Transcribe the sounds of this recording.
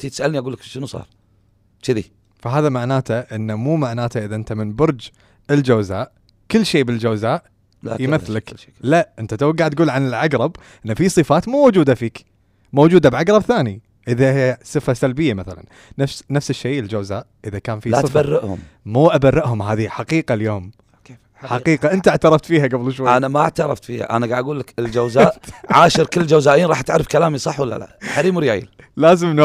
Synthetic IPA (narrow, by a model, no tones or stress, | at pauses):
t̪it̪sʔalniʔaɡuːlːakʃənusˤɑ̰ːɾˤ | t͡ʃɪðḭ | faɦaːðamaʕnaːt̪aʔɪnːamuːmaʕnaːt̪aʔɪðaʔɪnt̪amɪnbʊɾˤd͡ʒ | ɪld͡ʒawzaːʔ | kɪlːʃeːbɪld͡ʒawzaːʔ | a̰jmɪθːlak | laʔʔɪnt̪at̪awaɡːaʕt̪̚ɡuːlʕanɪlʕaɡɾˤɑb | ʔɪnːafisˤɨfaːt̪muːwʊd͡ʒuːd̪afiːk | moːd͡ʒuːd̪abʕaɡɾˤɑbθaːni | ʔɪðahjasˤɨfasalbɪjːamaθala̰n | nafsnafsɪʃːeːɪld͡ʒawzaːʔʔɪðakaːnfilasˤɨfbarːɪʔhʊ̰m | muːʔabarːɪʔhʊmɦaːðiħaqiːqaljoːm | ħaqiːqaʔɪnt̪aaʕt̪ɑɾˤɑft̪fiːhaɡablɪʃ̬waʔanamaʔaʕt̪ɑɾˤɑft̪fiːha̰ʔa̰naɡaʕd̪aɡuːlːakɪld͡ʒawzaːʔʕaːʃɪɾkɪlːd͡ʒawzaːʔjiːnɾˤɑːħat̪ʕaɾˤːɪfkalaːmisˤɑħwalːa̰la̰ʔħaɾiːmɾjaːjɪ̰l | laːzɪmnː